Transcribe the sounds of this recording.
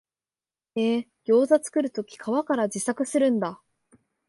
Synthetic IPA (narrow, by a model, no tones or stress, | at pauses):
eː | ɡ̥ʲo̞ːzat͡sɨ̥kɯ̟ɾɯ̟t̪o̞kʲi̥kʰaβakaɾad͡ʑisakɯ̟sɨɾɯ̟̃nd̪a